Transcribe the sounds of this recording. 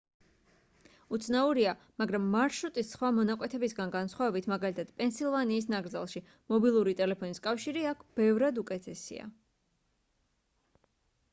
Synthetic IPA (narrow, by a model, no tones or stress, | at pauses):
ut̪sʰnauɾia | maɡɾamːaɾʃɾut̪ʼisːχwamɔnakʼwɛt̪ʰɛbisɡanɡansχwavɛbit̪ʰmaɡalit̪ʰad̪̥pʼɛnsilˠvaniːs̬naɡɾdzalˠʃi | mɔbilˠuɾit̪ʼɛlɛpʰɔniskʼafʃiɾiakʰb̥ɛvɾad̪ukʼɛt̪ʰɛsḭa̰